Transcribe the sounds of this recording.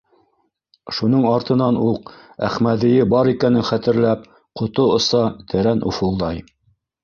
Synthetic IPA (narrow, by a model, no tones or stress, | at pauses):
ʃunɤɴɑɾt̪ɤ̆nɑnuq | æ̰χmæðɘ̆jɘbɑɾikænɘŋχæt̪ɘ̆ɾlæp̚ | qŏt̪oŏsɑt̪ʰɘ̆ɾænʔṵfulˠd̪ɑj